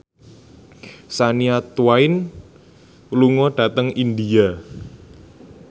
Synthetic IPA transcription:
saniat̪uwaɪn | luŋɔɖ̥a̤t̪əŋind̪ia

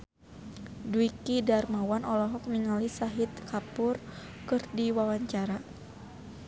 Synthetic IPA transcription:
duikidarmawanʔɔlɔɦɔk̚miŋalisaɦit̪̚kʰapʊr | kɨrdiwawaɲt͡ʃaɾa

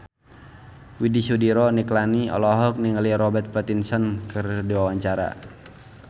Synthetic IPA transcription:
widisudiɾɔniklaniɔ̰lɔɦɔk̚niŋəliɾɔbɛt̪̚pɛt̪insɔnkɨrdiwawaɲt͡ʃaɾa̰

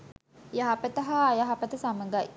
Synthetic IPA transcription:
jaɦapət̪əɦaːjaɦapət̪əsaməŋɡaj

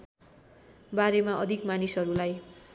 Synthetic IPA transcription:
baɾemaʔʌd̪ʱikmanisɦʌɾulaj

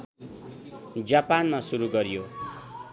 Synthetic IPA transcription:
d͡zapanmasuɾuɡʌɾijo

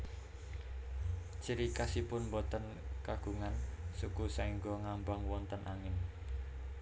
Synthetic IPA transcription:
t͡ʃiɾikasipʊnmbɔt̪ən | kaɡ̥ṳŋansukusaiŋɡɔŋambaŋwɔnt̪ənʔaŋɪn

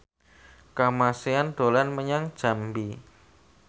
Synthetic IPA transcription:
kamaseand̪̥olanməɲaŋd̥d͡ʒ̥a̤mbi

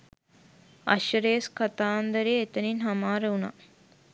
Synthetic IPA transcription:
a̰ʃɐɾejɐskat̪aːnd̪əɾejet̪əninɦamaːɾəuna̰

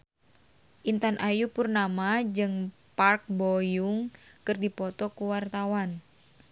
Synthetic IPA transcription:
ʔint̪anʔajupurnamad͡ʒɨŋpark̚bɔjuŋkɨrdipɔt̪ɔkuwart̪awan

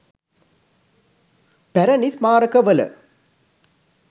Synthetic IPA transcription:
pæɾɐnismaːɾəkəʋələ̰

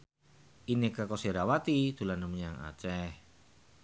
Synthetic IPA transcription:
ʔinekakɔseɾawat̪id̪̥ṳlanəməɲaŋa̰t͡ʃɛh

